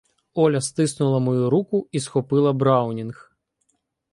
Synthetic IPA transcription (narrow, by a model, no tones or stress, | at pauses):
ɔlʲɐst̪ɪsnʊlˠɐmɔjuɾukʊisxɔpɪlˠɐbɾɑwnʲinx